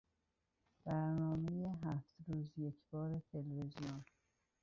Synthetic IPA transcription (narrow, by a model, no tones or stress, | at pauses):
b̥æɾnɒːme̞jeɦæft̪ɾuːzje̞cʰbɒːɾe̞t̪ʰe̞levezijon